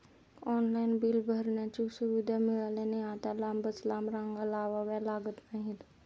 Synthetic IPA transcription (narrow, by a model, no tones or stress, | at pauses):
ɔːnlaːɪnbilbʱəɾnat͡ʃusʊʋid̪ʱamɪɭaːlenĩaːt̪alãːmbət͡ʃlaːmɾãŋɡəlaːʋaʋɛlaːɡət̪naɦĩd̪